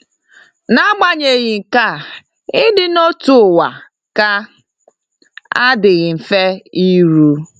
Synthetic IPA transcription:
na˦ɡ͡ba˦ɲe˨ɣɪ˨ŋ̩˨ka˦˨ | ɪ˦dɪ˦no˦tu˨wa˨ | ka˦ | a˦dɪ˨ɣɪ˨m̩˨fe˦i˦ɾu˦

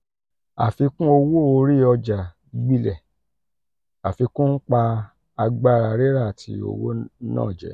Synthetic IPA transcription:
a̰˨fi˧kũ˦o˧wo˦o˧ɾi˦˨ɔ˧d͡ʒa˨˧ | ɡ͡bi˦lɛ˨ | a˨fi˧kũ˦n̩˦k͡pa˧ | a˧ɡ͡ba˦˨ɾa˧˨ɾe˦ɾa˦˨a˨tʰi˧˦o̰˧wo̰˦nã̰ː˦˨d͡ʒɛ˨˦

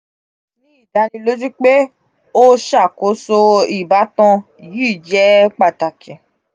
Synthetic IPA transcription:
nĩ˨˦i˦˨da˨˧˦nĩ˧lo˦d͡ʒu˦k͡pe˦ | o˦ʃa˦˨ko˨˦so˧i˨ba˨˦tɔ̃˧ | ji˦˨d͡ʒɛ˦k͡pa˦˨ta˨kɛ̃˨

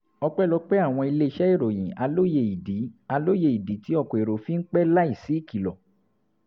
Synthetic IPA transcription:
ɔ˧k͡pɛ˦˨lɔ˧˦k͡pɛ˦a˦˨w̃ɔ̃˧i˧le˦i˧˦ʃɛ˦i˦˨ɾo˨j̃ĩ˨a˧lo˦je˧i˨di˨˦a˧lo˦je˧˨i˨di˨˦ti˨˦ɔ˦˧kɔ˨e˨ɾo˨fi˦ŋ̩˦k͡pɛ˦la˦i˦˨si˨˦˨ki˨lɔ˨

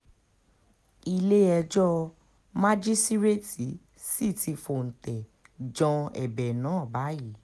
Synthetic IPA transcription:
i˧le˦ɛ˧d͡ʒɔ˦ | ma˦d͡ʒi˦sti˦ɾe˦ti˨˦ | si˦˨tʰi˧fo˧˨n̩˨tɛ˨ | d͡ʒɔ̃˧ɛ̰˨bɛ˨nãː˨˦ɔ˦˨ba˨˦ji˦˨˦

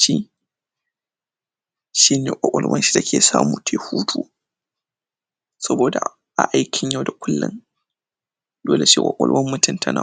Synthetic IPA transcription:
ʃi˦ | ʃi˦neː˨ʔʷɐ˨kʷʼʊ˨lwɐ̰˦nʃi̥˦da˨kʲʰeː˨sa̰ː˦muː˨tʰe˨huː˦tʰuː˦ | sɐ˦boː˨da˨ | ʔa˨ʔa˦jkʲʰɪ˨ɲja˦wda˨kʷʰʊ˦lːɪ̰˦n | doː˦le˨ʃḭ˦˨wʼɐ̰˨kʷʼʊ̰˨lwɐ˦mːʊ˦tʊ˦˨ntʰɐ˦na̰˨

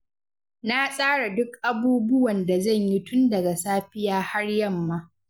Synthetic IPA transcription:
na˦sʼaː˦ɽa˨dʊ˦kʔa˦buː˦bʊ˦wɐ˨nda˨zɐ˦˨ɲji˦tʊ˦ndɐ˨ɡa˨saː˦ɸɪ˦jaː˦ha˦rjɐ˦˨mːa˦

